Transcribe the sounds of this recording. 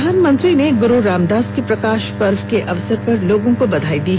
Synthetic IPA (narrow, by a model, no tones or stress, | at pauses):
aːnmə̃nt̪ɾineɡʊɾoɾaːmd̪aːskepɾɐkaːʃpɐɾʋkeʔɐʋsəɾpɐɾloːɡõkobɐd̪ʱaːid̪iːɦ